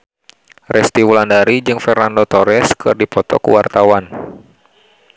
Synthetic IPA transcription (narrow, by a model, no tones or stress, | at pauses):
rʔɛst̪iwulandaɾid͡ʒɨŋfɛrnandot̪ɔɾɛskʰɨ̰rdipɔt̪ɔ̰kṵwart̪awan